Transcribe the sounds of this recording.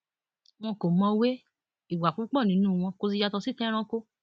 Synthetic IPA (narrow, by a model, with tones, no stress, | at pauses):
w̃ɔ̃˧ko˨mɔ̃˧we˦ | i˨wa˨k͡pũ˨˦k͡pɔ˦˨nĩ˨˦nũː˦˨˧w̃ɔ̃˧ko˧s̬i˧d͡ʒa˧tɔ˧si˦tɛ̃˦ɾ̃ã˧ko˧